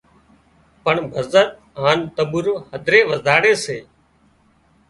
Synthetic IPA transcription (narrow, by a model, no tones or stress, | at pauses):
pəɳbʱəzət̪̚ | ɦaːnt̪əɓuɾoːhəd̪ʱɾeːʋəzaːɽeːseː